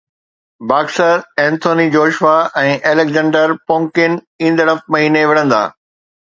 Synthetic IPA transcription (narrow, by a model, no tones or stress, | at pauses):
baːksəɾɛ̃ːnt̪ʰoːnid͡ʑoːʃʋaɛ̃ːʔeːlekzɛ̃ːɳɖəɾpõːŋkɪn | ĩːn̆d̪əɽəfmɐɦiːneʋɪɽə̃nd̪a̰ː